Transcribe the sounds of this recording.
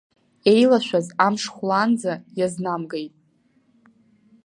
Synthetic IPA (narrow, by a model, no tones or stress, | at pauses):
e̞jlaʃʷᶣazamʂχʷland͡zajaznamɡejtʼ